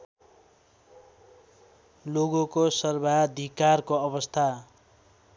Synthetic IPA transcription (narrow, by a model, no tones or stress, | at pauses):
loɡokosʌrbʱad̪ʱikarkoʌbʌst̪ʰa